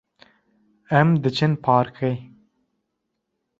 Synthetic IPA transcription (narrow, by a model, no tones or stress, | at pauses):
ɛmd̪ɨt͡ʃʰɨnpʰɑːɾkʰej